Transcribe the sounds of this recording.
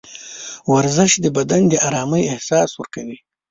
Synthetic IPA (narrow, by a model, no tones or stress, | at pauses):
waɾzɪʃd̪əbad̪and̪əʔaɾɑːməjɪhsɑswəɾkawi